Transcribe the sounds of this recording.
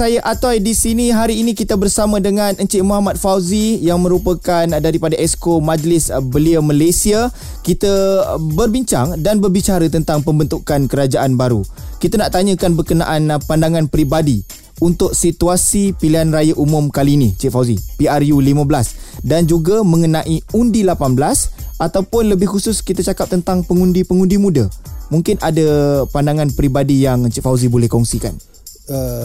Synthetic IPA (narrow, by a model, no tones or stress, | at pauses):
sajaʔat̪ajdisinĩɦaɾiːnĩkit̪abərsamãdəŋãnəɲt͡ʃiʔmuɦamat̪̚fawzijaŋmə̃ɾupakandaɾipadaʔɛskomãd͡ʒlɪsbəliəmalajsia | kit̪əbərbiɲt͡ʃaŋdanbərbit͡ʃaɾət̪ənt̪aŋpəmbənt̪ukankəɾad͡ʒaʔanbaɾṵkit̪anaʔt̪aɲə̃kanbərkəna̰ʔanpandaŋãnpɾibadi | unt̪ʊk̚sit̪uasipiliɦanrajaʔumʊmkalinĩt͡ʃit̪fawzipiarjulimãblasdand͡ʒuɡamə̃ŋənãʔiundilapanbəlasʔat̪awpʊnləbɪhusʊskit̪at͡ʃakap̚t̪ənt̪aŋpəŋundipəŋundimũdamũŋkɪnʔadapandaŋanpəɾibadijaŋt͡ʃit̪fawzibolɛhkɔŋsika̰n | ə